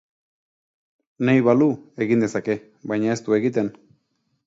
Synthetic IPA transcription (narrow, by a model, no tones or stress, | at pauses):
nejβalue̞ɣind̪e̞sake̞ | βajɲae̞st̪ue̞ɣit̪e̞n